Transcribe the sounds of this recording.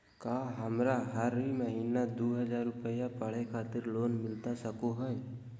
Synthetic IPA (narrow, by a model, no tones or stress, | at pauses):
kaːɦɐmɾaɦəɾɦiməɦiːnad̪oːɦəd͡ʒaːɾːʊpəjapəɽ̤ekʰaːt̪ɪɾloːnmɪlt̪asəkoɦɛɛ